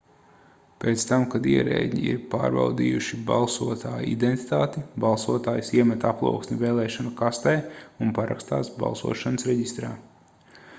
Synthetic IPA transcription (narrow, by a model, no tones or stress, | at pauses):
peːt̪st̪amkad̪iɛɾḛːd̪ʲɲḭḭɾpa̰ːɾba̰wd̪iːjuʃiba̰lˠsuɔt̪aːjḭd̪ent̪i̥t̪aːt̪ibalˠsuɔt̪aːjsiɛmɛt̪aplˠṵɔksʲmʲiveːlˠɛːʃɔnakast̪ɛjunpaɾa̰kst̪a̰ːsba̰lˠsṵɔʃanəsɾɛɟist̪ɾaː